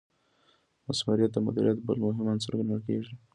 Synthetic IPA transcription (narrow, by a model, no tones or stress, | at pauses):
masmuɾijat̪̚d̪əmʊd̪iɾijat̪bə̰lmʊɦɪmansə̰ɾɡaɳəlkeʐi